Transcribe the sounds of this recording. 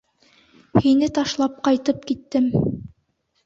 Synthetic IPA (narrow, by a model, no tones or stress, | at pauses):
hinɘt̪ɑʃlˠɑp̚qɑjt̪ɤp̚kit̪ːɘm